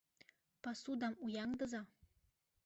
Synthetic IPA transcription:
pasud̪ɑmujɑŋd̪ɤ̆zɑ

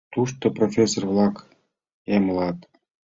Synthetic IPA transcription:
t̪uʃt̪oprofʲesorvlɑk | emlɑt̪

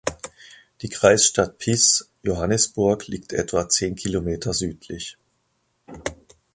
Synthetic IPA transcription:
d̥iːkʁ̥aɪsʃtat̚pʰɪs | joɦanəsb̥ʊɐkliːktʰʔɛtv̥at͡seːnkʰilomeːtʰɐzyːtʰlɪç

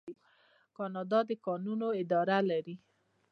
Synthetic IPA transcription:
kɑnɑd̪ɑd̪əkɑnunoɪd̪ɑɾalaɾi

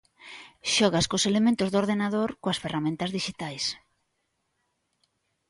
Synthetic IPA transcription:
ʃɔɣ̞askoselemẽnt̪ʊzðoɾðenaðoɾkoɐsferamẽnt̪ɐzðiʃit̪ajs

